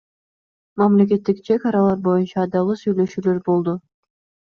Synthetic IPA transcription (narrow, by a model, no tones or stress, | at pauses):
mɑmlek̬e̞t̪ːikt͡ʃʰekɑɾɑlˠɑɾbo̞junt͡ʃɑːd̪ɑlˠɯsyjle̞ʃyːlø̞ɾbo̞lˠd̪ʊ